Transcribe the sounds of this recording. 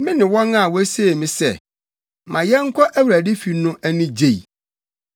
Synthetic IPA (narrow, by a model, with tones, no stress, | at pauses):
mɪ̃˦nɪ̃˨wɔ̃˦nã˦˨wɔ˦æ˦se˦˨mɪ̃˨sɛ̰˦˨ | mʔã˨jɛ˦ŋ̩˦kʷʰɔ˦ʔæ˦wu˨ɾæ˨de˦fi˨nʊ̃˦ʔæ˦nʊ̃˦d͡ʑe˦˨i˨